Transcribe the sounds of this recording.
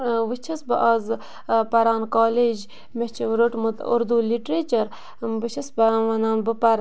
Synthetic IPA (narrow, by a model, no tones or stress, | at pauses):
ʋɨt͡ʃʰɐsbɐʔaːz | pɐɾaːnkaːleːd͡ʒ | meht͡ʃʰiʋɾoʈmut̪o̰ɾd̪uliʈɾet͡ʃɐɾ | bɨt͡ʃʰɐsbɐʋɐnaːnbɨpɐɾ